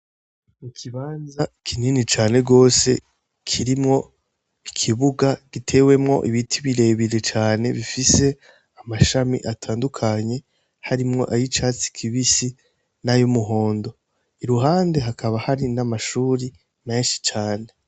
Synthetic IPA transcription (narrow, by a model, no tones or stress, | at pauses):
ikʰiβaːnzakʰininit͡ʃaːne̞ɡo̞ːse̞̰ | kʰiɾimŋo̞ | ikʰiβuɡaɡ̥itʰe̞ːwe̞mŋo̞̰ʔiβitʰiβiɾe̞ːβiɾe̞t͡ʃaːne̞βifise̞ | amaʃamḭʔatʰaːndukʰaɲe̞ | haɾimŋo̞̰ʔajit͡ʃaːt͡si̥kʰiβisi | najumuɦo̞ːndo̞ | iɾuɦaːnde̞ɦakʰaβahaɾinamaʃuːɾi | me̞ːnʃi̥t͡ʃaːne̞